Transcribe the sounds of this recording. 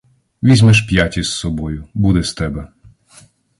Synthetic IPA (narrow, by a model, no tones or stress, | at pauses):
ʋʲizʲmɛʃpjatʲissɔbɔjʊbud̪ɛst̪ɛbɛ